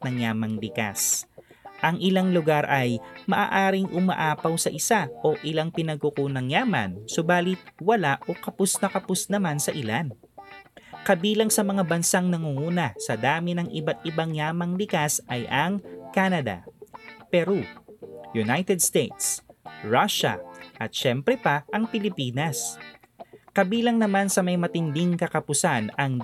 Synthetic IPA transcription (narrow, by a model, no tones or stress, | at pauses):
nɐŋjaːmɐŋlɪka̰s | ʔɐŋʔɪlaŋlʊɡaɾʔɐjmɐʔa̰ːʔaːɾɪŋʔʊma̰ʔaːpɐwsɐʔɪsaʔo̞ʔɪlaŋpɪnɐɡ̚kʊkuːnɐŋjaːmɐ̰nsʊbaːlɪt̪̚wɐlaʔo̞kɐpʊsnɐkɐpʊsnɐmansɐʔɪlan | kɐbiːlɐŋsɐmɐŋabɐnsaŋnɐŋuŋuːnɐsɐd̪aːmɪnɐŋʔɪbat̪̚ʔɪbaŋjaːmɐŋlɪkasʔɐjʔɐŋkaːnɐd̪ɐ̰pɛɾojʊnajt̪ɛd̪st̪ejt̪sɹaʃɐ̰ʔɐt̪̚ʃɛmpɾɛpɐʔɐŋpɪlɪpiːnɐs | kɐbiːlɐŋnɐmansɐmɐjmɐt̪ɪnd̪ɪŋkɐkɐpʊsanɐŋ